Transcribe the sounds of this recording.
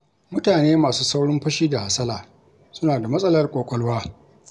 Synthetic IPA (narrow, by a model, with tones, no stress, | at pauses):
mʊ˦taː˨neː˦maː˨suː˦sa˦wɽɪ˦mɸɐ˦ʃiː˦da˨ha˨sɐ˦laː˨ | sʊ˦naː˨da˨mɐ˦sʼɐ˦lɐ˦rkʷʼoː˨kʷʼɔ˦lwaː˦